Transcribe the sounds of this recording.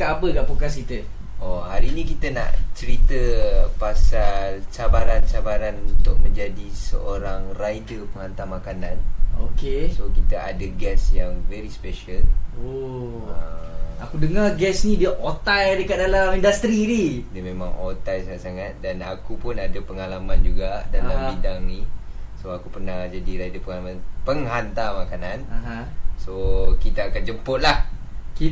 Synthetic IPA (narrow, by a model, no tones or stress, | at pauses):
kaʔapəɡaʔpokasit̪ə | ɔhaɾinĩkit̪əna̰ʔt͡ʃəɾit̪əpasalt͡ʃabaɾant͡ʃabaɾanuunt̪ʊk̚mə̃ɲd͡ʒadisə̰ʔoɾaŋrajdəpəŋant̪amakanãnokesokit̪əʔa̰dəɡɛsjaŋvɛɾispeʃəlo | aakudəŋaɡɛsnĩdiaʔot̪ajdəkat̪̚dalamindast̪ɾididəmẽmãŋʔot̪ajsaŋat̪saŋat̪̚danakupʊnadapəŋalamand͡ʒuɡadaambidaŋnisoakupərnahd͡ʒadiɾadəpəŋalamanpəŋɦant̪amakananɦ | sokit̪aːkand͡ʒəmpʊt̪̚lah | ki